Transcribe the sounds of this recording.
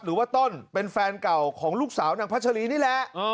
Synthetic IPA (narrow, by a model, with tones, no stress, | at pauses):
p̚ɾɯː˩˦waː˥˩t̪o˥˩npe˧nfɛː˧nka˨˩wkʰɔː˩˦ŋluː˥˩k̚saː˩˦wnaː˧pa˦˥t̚t͡ɕʰa˧liː˦˥niː˥˩lɛ˨˦˥ʔː